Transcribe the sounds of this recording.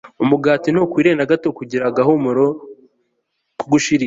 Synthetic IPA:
umuɡaːtinokwiːɾenaɡatokuɟiɾaɡaɦomoɾo | kuɡuʃiɾi

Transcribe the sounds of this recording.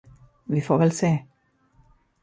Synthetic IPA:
ʋiːfoːʋɛlseː

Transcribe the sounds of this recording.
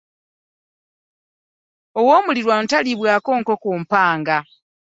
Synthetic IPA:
owoːmuliɾwan̩taliβwaːko̞ːŋkokuːmpaːŋɡa

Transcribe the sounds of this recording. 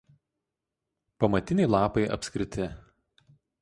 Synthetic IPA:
pɐmɐt̪ʲɪnʲɛɪlˠɑːpɐɪʔɐ̰pʲsʲkʲɾʲɪt̪ʲɪ

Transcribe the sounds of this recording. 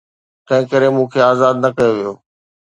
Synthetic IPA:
t̪ɐ̃ɦɪ̃kəɾemũːkʰeaːzaːd̪nɐkɐjoʋijoː

